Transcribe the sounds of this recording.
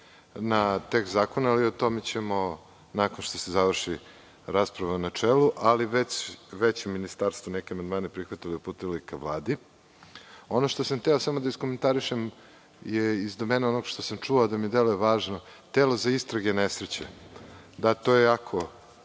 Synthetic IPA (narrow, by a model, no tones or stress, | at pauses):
nat̪ekzaːkonaːliot̪o̞met͡ɕemo̞ | nakonʃt̪o̞sezaʋr̩ʂi | ɾaspɾaʋaunat͡ʂeluʔaliʋet͡ɕʋet͡ɕeminist̪aːɾst̪vonekʲeamand̪maːnepɾixʋat̪iliupuːt̪elikaʋlˠaːd̪i | o̞noʂt̪osamt̪eosamod̪aiskoment̪aɾiʃem | jeizd̪omeneono̞ɡʃt̪o̞samt͡ʂuaːd̪amid̪elojeʋaːʒno̞t̪elo̞zaist̪ɾaɡenesɾet͡ɕḛ | d̪at̪o̞ːjejakʰo̞